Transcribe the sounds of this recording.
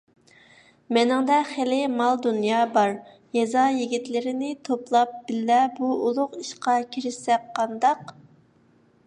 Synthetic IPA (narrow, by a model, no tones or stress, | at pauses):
mɛnɪŋd̪ɛχelɪmɑlˠd̪unjɑːbɑɾ | jɛzɑjiɡʲit̪lɪɾɪnɪt̪ʰoplˠɑp̚b̥ɪlːɛbuulˠʊqiʃqɑkʲʰiɾɪʃsɛk̚qʰːɑnd̪ɑq